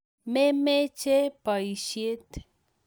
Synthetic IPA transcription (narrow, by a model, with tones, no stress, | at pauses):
me˦met͡ʃe˦pəjʃe˦t̪